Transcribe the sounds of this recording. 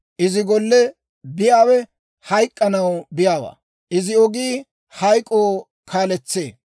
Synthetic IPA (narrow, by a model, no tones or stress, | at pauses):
ʔɪzɪɡɔlːɛ | bɪjaːwɛ | hɐjkʼːɐnɐwbɪjaːwa̰ː | ʔɪzɪɔɡiː | hɐjkʼoː | kʰaːlɛt͡sːḛː